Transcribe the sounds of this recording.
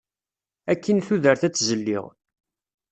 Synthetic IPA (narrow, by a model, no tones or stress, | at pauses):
ækːənθuðəɾθæt͡sːzəlːḭʁ